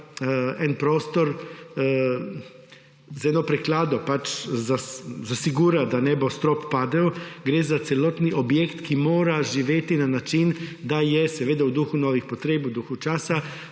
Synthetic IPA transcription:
ɛnpɾoːst̪ɔɾ | zɛnɔpɾɛklaːd̪ɔpat͡ʃzazasiɡuːɾad̪anɛbɔst̪ɾɔpːaːd̪ɛwɡɾeːzat̪sɛlɔt̪niʔɔbjekt̪kimoːɾaʒiʋeːt̪inanat͡ʃind̪ajɛsɛʋeːd̪awd̪uxunɔːʋixpɔt̪ɾeːbwd̪uxut͡ʃaːsa

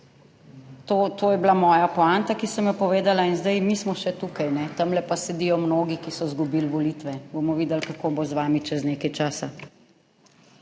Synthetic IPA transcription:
t̪oːt̪oːjɛblamɔːjapɔant̪akisɐmjɛpɔʋeːd̪alainzd̪ajmiːsmɔʃɛt̪uːkajnɛt̪ɐmlɛpasɛd̪iːjɔmnoːɡikisɔzɡubilʋɔlit̪ʋɛbomɔʋiːd̪ɛlkakoːbozʋaːmit͡ʃɛzneːkajt͡ʃaːsa

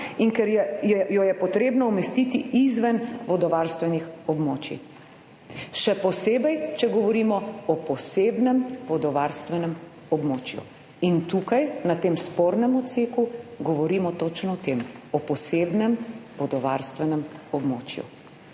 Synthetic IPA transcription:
iŋkɛɾɛjjɔjɛpɔt̪ɾeːbnɔumɛst̪it̪iizʋanʋɔd̪ɔʋaːɾst̪ʋɛnixɔbmoːt͡ʃḭ | ʃɛpɔseːbɛjt͡ʃɛɡɔʋɔɾiːmɔɔpɔseːbnɛmʋɔd̪ɔʋaːɾst̪ʋɛnɛm | ɔbmoːt͡ʃjṵ | int̪ukajnat̪eːmspoːɾnɛmɔt̪seːkuɡɔʋɔɾimɔt̪ot͡ʃnɔɔt̪emɔpɔseːbnɛmʋɔd̪ɔʋaɾst̪ʋɛnɛmɔbmoːt͡ʃjṵ

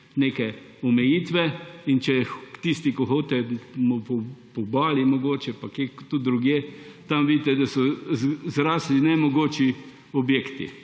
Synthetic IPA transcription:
neːkɛ | ɔmɛjiːt̪ʋɛint͡ʃɛt̪ist̪ikɔxoːt̪ɛmɔpɔpɔbaːlimɔɡoːt͡ʃɛpakekt̪uɾuɡjeːt̪amʋiːd̪it̪ɛd̪asɔzɾaːslinɛmɔɡoːt͡ʃi | ɔbjeːkt̪ḭ

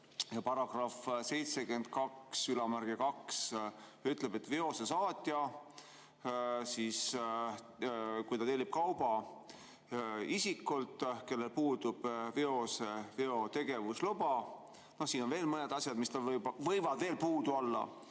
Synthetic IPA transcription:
jɑpɑɾɑɡ̥rɑfse̞jt̪se̞kyend̪̥̚kɑksylɑmæɾɡ̥ekɑksyt̪ˑle̞be̞t̪veo̞sesɑːt̪ʲˑːjɑ | siːs | kujt̪ɑt̪eːlib̥̚kɑwb̥ɑ | isikːˑult̪ˑke̞lːe̞lpuːd̪ub̥veo̞seveo̞t̪e̞ɡe̞vuslubɑ | no̞siːno̞nve̞ːlmɤned̪ɑsʲjɑd̪̥mist̪ɑvvɤjvɑd̪ve̞ːlpuːd̪uolːɑ̰

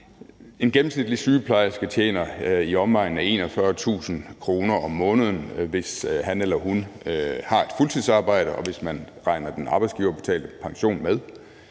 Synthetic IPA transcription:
e̝nɡ̥emm̩snid̥lisyːpʰlɑ̈ɪsɡ̥æt͡ɕʰḛːnɐiɒ̽mʋɑ̈ɪ̰n̩æe̝̰ːnɒfɶːɐt͡sʰṵːsən̩kʰʁo̝ːnɐɒ̽mːɔ̽ːnəð̞ˠən̩ʋe̝shænelɐɦunhɑ̈e̝d̥fult͡sʰiðˠsɑ̈ːb̥ɑ̈ɪ̰ɾ̥əʔɒ̽ʋe̝smæn | ʁɑ̈ɪnɐd̥enʔɑ̈ːb̥ɪsɡ̥iːʊɐb̥e̝̥t͡sʰɛ̰ːld̥əpʰɑ̈ŋɕo̝̰ːnmeð̞ˠ

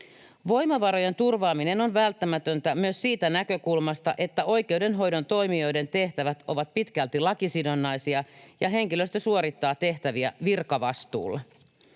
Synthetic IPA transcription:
ʋo̞jmɑʋɑɾo̞je̞nt̪urʋɑːmine̞no̞nʋælt̪ːæmæt̪ønt̪æmyøssiːt̪ænækø̞kulmɑst̪ɑ̰ʔe̞t̪ːæo̞jk̟e̞wdenɦo̞jdo̞nt̪o̞jmio̞jde̞nt̪e̞ht̪æʋæt̪o̞ʋɑt̪̚pit̪kælt̪ilɑkisidonːɑjsiɑjɑɦe̞ŋkiløst̪æsuoɾit̪ːɑːt̪e̞ht̪æʋiæʋirkɑʋɑst̪ṵːlːe

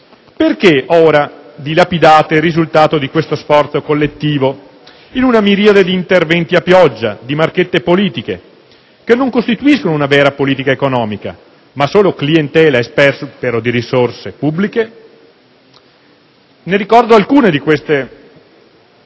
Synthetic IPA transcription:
perkeʔoːɾad̪ilapid̪aːt̪erizult̪aːt̪od̪ikwest̪osfɔrt̪sokolːet̪ːiːvo | inunamiɾiːad̪ed̪iːnt̪ervɛnt̪iapːjɔd͡ʒːad̪imarket̪ːepoliːt̪ik̟e | k̟enːoŋkost̪it̪uiskonounavɛːɾapoliːt̪ikaekonɔːmika̰ | masoːloklient̪ɛːlaespɛrspeɾod̪iɾisorsepubːlike | neɾikɔrd̪oalkuːned̪ikwest̪e

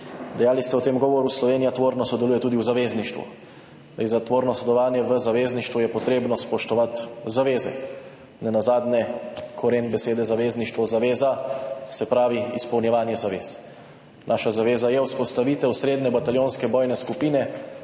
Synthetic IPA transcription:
d̪ɛjaːlist̪ɛwt̪eːmɡɔːʋɔɾuslɔʋeːnijat̪ʋoːɾnɔsɔd̪ɛluːjɛt̪uːd̪iuzaʋeːzniʃt̪ʋṵ | ljzat̪ʋoːɾnɔsɔd̪ɛlɔʋaːnjɛʋəzaʋeːzniʃt̪ʋujɛpɔt̪ɾeːbnɔspɔʃt̪ɔʋat̪zaʋeːzɛ̰ | nɛnazaːd̪nɛkʰɔɾeːnbɛseːd̪ɛzaʋeːzniʃt̪ʋɔzaʋeːzasɛpɾaːʋiispɔwnjɛʋaːnjɛzaʋeːs | nʔaːʃazaʋeːzajɛwspɔst̪aʋit̪ɛwsɾeːd̪nɛbat̪aljoːnskɛbɔːjnɛskupiːnɛ

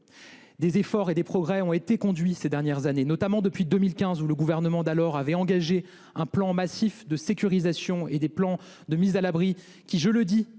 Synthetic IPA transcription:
d̪ezefɔʁed̪epχɔɡʁɛɔ̃et̪ekɔ̃d̪ɥised̪ɛʁnjɛʁzanenɔt̪amɑ̃d̪əpɥid̪əmilkʲɛ̃zuləɡuvɛʁnəmɑ̃d̪alɔʁavɛɑ̃ɡaʒe | ɛ̃plɑ̃masifd̪əsekʲyʁizasjɔ̃ed̪eplɑ̃ | d̪əmizalabʁi | kʲiʒələd̪i

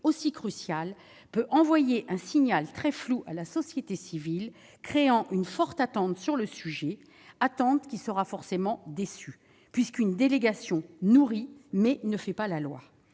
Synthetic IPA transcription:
osikχysjal | pøʔɑ̃vwajeʔɛ̃siɲalt̪χɛfluʔalasɔsjet̪esivil | kχeɑ̃ʔynfɔʁt̪at̪ɑ̃t̪syʁləsyʒɛ | at̪ɑ̃t̪kʲisəʁafɔʁsemɑ̃d̪esy | pɥiskynd̪eleɡasjɔ̃nuʁimɛnəfɛpalalwa̰

